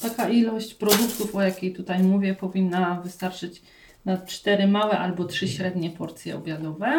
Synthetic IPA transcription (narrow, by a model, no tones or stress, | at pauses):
t̪akaʔilɔɕt͡ɕpɾɔd̪ukt̪ufɔjakʲijt̪ut̪ajmuvʲjɛpɔvʲinːavɘst̪aɾt͡ʂɘt͡ɕ | nat͡ʂt̪ɛɾɘmawɛʔalbɔtʂɘɕɾɛd̪ɲɛpɔɾt̪sʲjɛ̰ɔbʲjad̪ɔvɛ